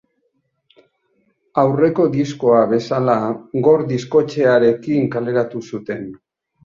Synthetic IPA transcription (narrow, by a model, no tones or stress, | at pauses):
awre̞ko̞d̪isko̞aβe̞salaɡo̞ɾd̪isko̞t͡ʃe̞aɾe̞kiŋkale̞ɾat̪usut̪e̞n